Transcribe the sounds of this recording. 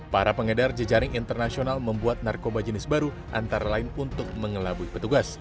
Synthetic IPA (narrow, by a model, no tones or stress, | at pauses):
paɾapəŋədard͡ʒəd͡ʒaɾɪŋint̪ərnasionalməmbuat̪̚narkobad͡ʒənɪsbaɾu | ʔa̰nt̪aɾalaɪnunt̪ʊk̚məŋəlabuipət̪uɡas